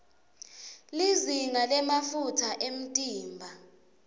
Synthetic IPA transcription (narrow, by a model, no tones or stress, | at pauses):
liziŋalɛmafutʰaʔem̩tʼiːmbʱa